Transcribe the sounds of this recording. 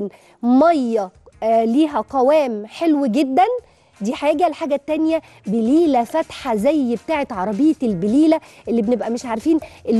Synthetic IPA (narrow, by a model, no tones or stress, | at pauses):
n | mɑjːɑ | liːɦæqɑwæːmħelwiɡed̪ːæn | d̪iːħajeɡælħaːɡæt̪ːænjæ | beliːlæfæt̪ħazæjːbet̪aːʕet̪ʕɑɾˤɑbejːet̪elbeliːlæʔelːibenebʔæmeʃʕaɾfiːnʔelː